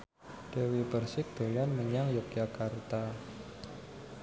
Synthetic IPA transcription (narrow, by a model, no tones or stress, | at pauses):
ɖ̥ewibərsɪk̚d̪̥o̤lanməɲaŋjɔk̚jakart̪a